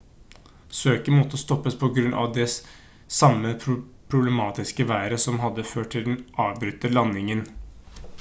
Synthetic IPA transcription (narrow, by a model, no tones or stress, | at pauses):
søːkənmɔt̪ːəst̪ɔpːəspʰɔɡɾʉnʔɑ̰ʋd̪ɛ | sɑmːə | pʰɾʊblɛmɑːt̪ɪskəʋæːɾəsɔmɦɑd̪ːəføːʈʈʰɪld̪ɛnʔɑːʋbɾʏt̪ːəlɑnːɪŋən